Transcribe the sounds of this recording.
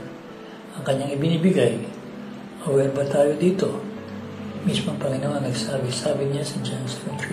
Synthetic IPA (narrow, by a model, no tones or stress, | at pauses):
ʔɐŋkɐɲːaŋɪbɪniːbɪɡaj | ʔɐwɛɾbɐt̪aːjo̞d̪iːt̪o̞ | mismoɐŋpɐŋɪnoŋɐŋnɐɡsaːbɪsaːbɪɲasɐd͡ʒansɛkont̪ɾi